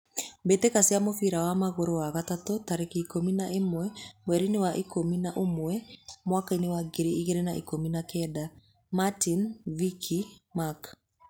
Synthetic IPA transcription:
mbetekasiamofiɾawamaɣoɾoaɣatatotaɾekaikominaʔemwɛmwɛɾinewaʔikominaʔomwɛmwakainewaɡeɾeiɣeɾenaʔḭkominakɛda | matinvikʰimak

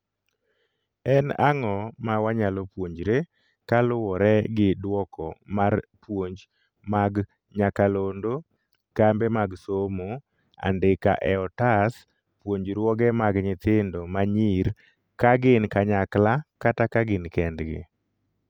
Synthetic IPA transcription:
ɛna̰ŋɔmawaɲalɔpwoɲd͡ʒɾe | kalʊwɔɾɛɡɪdwɔkʰɔ̰marpwoɲd͡ʒ | maɡ | ɲakalondo | kambemaɡsomo | a̰ndɪka̰ʔɛɔtas | pwoɲd͡ʒɾwɔɡɛmaɡɲɪt̪ɪndomaɲiɾ | kaɡɪnkaɲaklakatakaɡɪnkɛndɡɪ̰

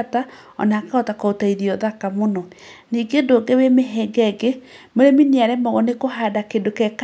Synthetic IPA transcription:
ta | ɔ̰nakaɔtakɔotaiðiɔðakamonɔ | niːɡedoːɡewemeɦɛɡɛɡe | moɾeminiaɾɛmɔɣɔnekoɦadakedokɛk

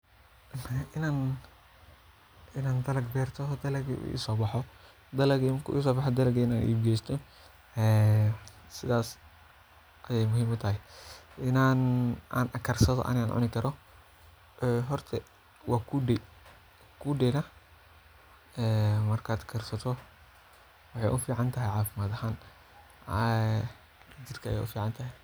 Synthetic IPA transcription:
ɪnaːn | ɪnaːnd̪ɐlɐɡbɛːrt̪ʰɔd̪ɐlɐɡṵʔḭsɔːbɑħɔ | d̪ɐlɐɡimkʰʊ̰ḭsɔːbɑħɔd̪ɐlɐɡɛɪnaːnʔḭːbɡɛjst̪ʰɔ | ɛ | sɪðaːs | ʔɐjɛjmʊɦiːmʊt̪ʰɐɦɪʔɪnaːna̰ːnʔɐkʰɐrsɐðɔ̰ʔɐ̰nɪaːnʕʊ̰nɪkʰɐɾɔ | ʔɛɦɔrt̪ʰɛ | wʔɑːkʰuɖɛ | kʰuːɖɛnɐ | ɛːmɐrkʰaːd̪kʰɐrsɐt̪ʰɔ | wɑħɑ̰jʔʊfiːʕɑnt̪ʰɐɦɛjʕɑːfɪmaːd̪ɐhaːn | d͡ʒɪrkʰɐɐ̰jɛ̰ʔʊ̰fiːʕɑnt̪ʰɐɦɛ

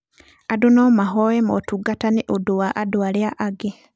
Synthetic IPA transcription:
adunomaɦowemotuɡataniʔoduwaʔadwaliaʔaɡe

